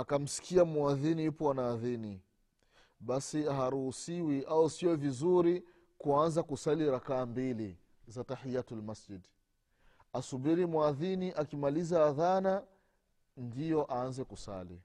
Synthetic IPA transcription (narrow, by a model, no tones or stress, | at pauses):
akam̩si̥kʰiamuaðinijupɔanaːðini | ɓasiaɦaɾuhusiwiʔausijɔvizuɾi | kuanzakusaliɾakaːmbili | zataħijatalmasd͡ʒid | asubiɾimuaðiniʔakimalizaːðana | ndijɔʔaanzɛkusa̰lḭ